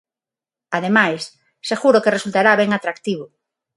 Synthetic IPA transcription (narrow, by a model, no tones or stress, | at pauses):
aðemajsː | eɣuɾʊkeresult̪aɾaβɛŋat̪ɾakt̪iβ̞ʊ